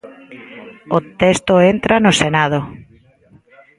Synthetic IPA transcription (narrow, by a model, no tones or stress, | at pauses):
ot̪est̪oent̪ɾanosenað̞o